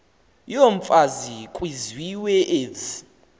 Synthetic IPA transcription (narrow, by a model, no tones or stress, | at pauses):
joɱfʼazikʼwizwiwɛʔeːd͡zi̥